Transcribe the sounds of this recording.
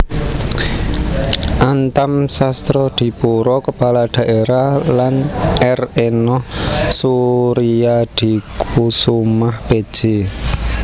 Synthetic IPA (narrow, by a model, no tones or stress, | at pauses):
ʔant̪amsast̪ɾɔd̪̥i̤puɾɔkəpalad̪̥a̤ʔeɾalanɛrenɔhsuɾiad̪̥i̤kʰusumahb̥ed̥ʒ̥e